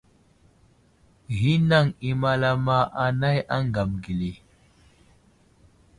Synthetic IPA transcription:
ɣi˦na˦˨ŋi˨ma˨la˦ma˦ʔa˨na˦ja˦ŋɡa˨mɡi˨li˨

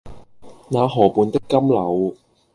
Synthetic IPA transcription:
naː˨˧ɦɔː˨˩puː˨˧nt̪ɪ˥kːɐ˥mlɐ˨˧w

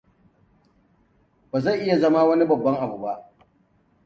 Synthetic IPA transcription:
baː˨za˦˨ʔɪ˦ja˨zɐ˦ma˦wɐ˦ni˦bɐ˨bːɐ˦ŋʔa˨bu˨ba˦ʔ

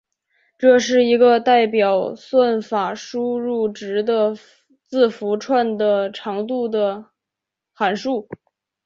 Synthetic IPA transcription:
ʈ͡ʂɤ˥˧ʂɻ̩˥˩i˧˥ɡə˧t̪a˥˩ɪpjɑ˨˩ʊswa˥˩nfa˨˩ʂu˥ɻu˥˩ʈ͡ʂɻ̩˧˥d̪ə˧ | t͡sɹ̩˥˩fu˧˥ʈ͡ʂʰwa˥˩nd̪ə˩ʈ͡ʂʰɑ˧˥ŋt̪u˥˩d̪ə˩ | xa˨˩nʂu˥˩

